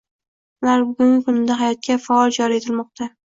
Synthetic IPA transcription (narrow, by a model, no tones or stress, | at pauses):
ʊlaɾbʊɡʊŋʲɪkʊnɪd̪aɦajɒt̪̚kʲafaɒlˠd͡ʒɒɾie̞t̪ʰɪlmɒq̚t̪ʰa